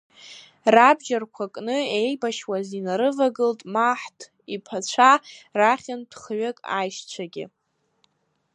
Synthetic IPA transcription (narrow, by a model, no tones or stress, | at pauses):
rabd͡ʒarkʷʰakʼnɨejbaʃwazinaɾɨvaɡɨltʼmaħtʰ | ipʰat͡ɕʷʰaraχʲand̥χɥakʼa̰jʃt͡ɕʷʰaɡʲɪ̰